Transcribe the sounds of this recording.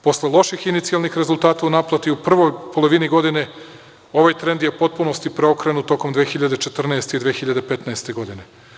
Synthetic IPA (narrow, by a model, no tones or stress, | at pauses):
po̞slelˠo̞ʃixinit̪sijalˠnixɾe̞zulˠt̪aːt̪aunaplˠat̪iupr̩ʋo̞jpo̞lˠo̞ʋiniɡo̞d̪ine̞ | o̞ʋajt̪ɾend̪jepo̞t̪̚punost̪ipɾeo̞kɾe̞nut̪o̞ko̞md̪ʋeːxiʎad̪et͡ʃe̞t̪r̩naest̪eid̪ʋeːxiʎad̪e̞pe̞t̪naest̪e̞ɡo̞d̪ine̞